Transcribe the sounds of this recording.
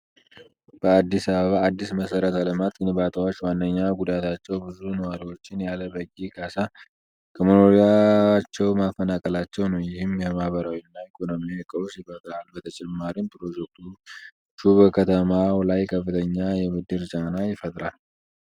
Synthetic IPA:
b̥əad̪ːisaβəβaːd̪ːisməsəɾət̪aləmat̪ʼɨnɨβat̪ʰəwot͡ʃːwanːəɲːaɡud̪at̪ʰat͡ʃːɛwbɨzunəwaɾiwo̞t͡ʃːɪnjaləbəɡiɡasa | kʰəmono̞ɾijat͡ʃːɛwmafːənakʼəlat͡ʃːɛwnəwjɪhɪmjɛmahβəɾawinːaikʰʼono̞miojɛkʼəwsjɪfət̪ʼɾalbət̪ʰət͡ʃʼɛmːaɾinpʰɾo̞d͡ʒɛk̚t̪ʰu | ʃuβəkʰət̪ʰəmalajkʰəfːɨt̪ʰəɲːajɛmɨd̪ɨɾt͡ʃʼanajɪfət̪ʼɾal

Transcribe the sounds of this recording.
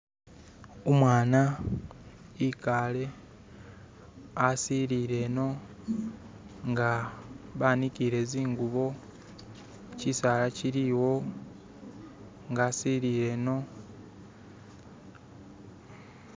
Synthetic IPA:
omwaːna | ikaːle̞ | asiɾiɾe̞no̞ | ŋɡaβaːniciɾe̞ziːŋɡuβo̞ | cisaːlaciɾiwo̞ | ŋɡaːsiɾiɾe̞ːno̞

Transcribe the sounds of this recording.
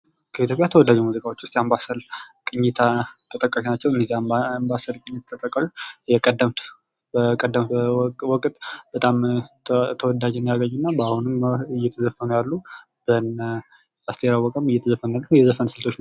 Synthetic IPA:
kʰəit̪ʰjo̞pʼjat̪ʰəwɔd̪ːad͡ʒumuzikʼawo̞t͡ʃːwʊst̪ʼjambasəlkʼɨɲːɪt̪ʰat̪ʰːət̪ʼəkʼːaʃinat͡ʃːɛwɨndəziambasəlkʼɨɲːɪt̪ʰt̪ʰːəkʼːəkʼːəlujɛkʼəd̪ːəmt̪ | bəkʼəd̪ːəmwɔkʼt̪ʼb̥ət̪ʼam | t̪ʰəwɔd̪ad͡ʒnd̪jaɡəɲːunːabahunɨmjːɛt̪ʰəzəfːənjalːu | b̥ən | ast̪ʰeɾawəkʼəmɨjɛt̪ʰəzəfːənalːəhujɛzəfənsɨlt̪ʰo̞t͡ʃːn

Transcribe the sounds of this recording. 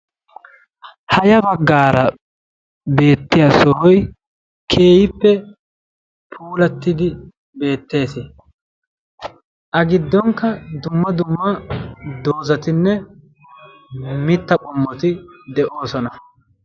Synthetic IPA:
hɐjɐbɐɡːaːɾɐ | be̞ːt̪ːɪjɐsɔɾɔj | kʰe̞ːjɪpːɛ | pʰuːlɐt̪ːɪd̪ɪ | be̞ːt̪ːe̞ːse | ʔɐɡɪd̪ːɔŋkːɐd̪ʊmːɐd̪ʊmːɐd̪o̞ːzɐt̪ɪnːɛ | mɪt̪ːɐkʼʊmːɔt̪ɪd̪ɛʔo̞ːsɔnɐ

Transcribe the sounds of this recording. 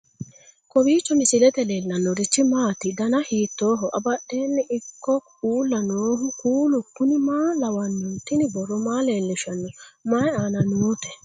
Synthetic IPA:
kɔwiːt͡ʃːɔmɪsɪlɛt̪ɛleːlːɐnːɔɾɪt͡ʃːɪmaːt̪ɪd̪ɐnɐhiːt̪ːoːɦɔʔɐbɐɗːeːnːɛʔɪkːɔkuːlːɐnoːɦʊkuːlʊkʊnɪmaːlɐwɐnːʊnt̪ːɪnɪbɔrːɔmaːleːlːɪʃɐnːɔmaːjaːnɐnuːt̪ɛ̥

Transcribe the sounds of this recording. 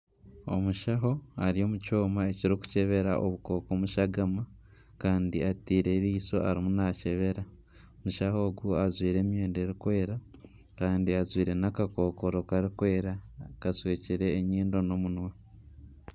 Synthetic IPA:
o̞̰muʃaɦo̞aɾio̞ːmuco̞ːmaeciɾiku̥ce̞βe̞ɾa̰ʔo̰βuko̞ːkomuʃaɡama | kaːndiatiːɾe̞ɾiːso̞ʔaɾimunace̞βe̞ɾa | omuʃaho̞ːɡuazwiːɾe̞ːmjeːndeɾikwe̞ːɾa | kaːndiazwiːɾe̞nakako̞ːko̞ɾo̞kaɾikweːɾakasweːciɾe̞ːɲiːndo̞no̞munwe

